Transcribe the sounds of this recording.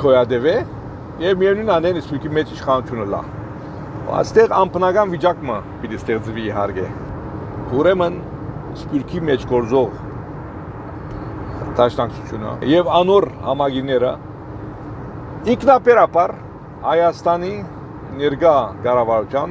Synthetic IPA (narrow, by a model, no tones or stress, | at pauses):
kʰɔjɑd̪ɛvɛ | jɛvmijɛvnujnɑnɛnəspjuɾkʰimɛt͡ʃʰiʃχɑnut̪ʰjunəlɑ̰ | ɑ̰st̪ɛʁɑmpʰənɑɡɑnvit͡ʃɑkməbit̪ist̪ɛʁt͡sviːɦɑɾkʰɛ̰ | uɾɛmən | əspjuɾkʰimɛt͡ʃʰɡɔɾd͡zɔʁ | d̪̥ɑʃnɑkt͡sʰut̪ʰjunə̰jɛvɑnɔɾhɑ̰mɑɡinːɛɾə | iŋkʰnɑpɛɾɑpɑr | hɑjɑst̪ɑni | nɛɾɡɑɡɑrɑvɑɾut̪ʰjɑn